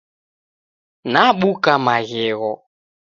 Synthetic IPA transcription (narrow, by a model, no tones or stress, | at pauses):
naɓukamaɣɪɣɔ